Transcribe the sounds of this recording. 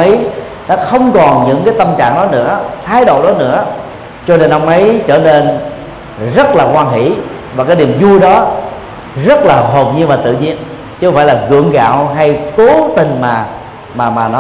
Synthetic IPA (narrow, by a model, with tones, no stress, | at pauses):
ʔə˨˦j | nɔ˨˦xə˧wŋ͡mkɔ˨˩nɲɨ̰˧˥ŋkaː˨˦jt̪ə˧mt͡ɕa̰ː˧˨ŋɗɔ˨˦nɨ̰˧˥ət̪ʰaː˨˦jɗo̰˧˨ɗɔ˨˦nɨ̰˧˥ə | t͡ɕɔ˧ne˧nʔə˧wŋ͡mʔə˨˦jt͡ɕəː˧˩ne˧n | zə˦˥t̚laː˨˩kwaː˧nɦḭ˧˥˨ | vaː˨˩kaː˨˦jni˨˩əmzu˧əjɗɔ˨˦ | zə˦˥t̚laː˨˩ɦo˨˩pɲi˧ənvaː˨˩t̪ɨ̰˧˨ɲḭ˧ən | t͡ɕɨ˧˦kŋ͡mfa̰˧˨laː˨˩ɣɨ̰˧˨əŋɣa̰ː˧˨wɦa˧jko˨˦t̪ï˨˩ŋ̟maː˨˩ | maː˨˩maː˨˩nɔ˨˦